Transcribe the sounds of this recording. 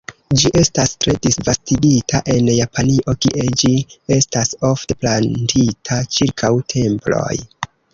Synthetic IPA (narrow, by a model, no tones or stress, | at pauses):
d͡ʒiʔe̞stastɾe̞disvastiɡitʰaʔe̞njapʰaniʔo̞kiʔe̞d͡ʒie̞staso̞fte̞plantʰitʰat͡ʃiɾkʰawtʰe̞mplo̞̰j